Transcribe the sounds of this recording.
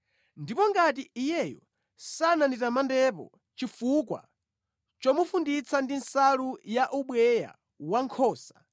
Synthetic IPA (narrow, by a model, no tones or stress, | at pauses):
ndipɔŋɡatiijɛjɔ | sananitamandɛpɔ̰ | t͡ʃifukwa̰ | t͡ʃɔmufundit͡sʰandinsalujaʔuɓwɛja̰ | waŋkʰɔːsḁ